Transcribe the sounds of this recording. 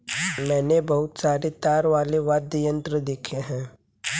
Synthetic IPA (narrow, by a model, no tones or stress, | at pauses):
mɛ̃ːnebɐɦʊt̪saːɾet̪aːɾʋaːleʋaːd̪əjə̃nt̪ɾəd̪eːkʰeɦɛ̃ː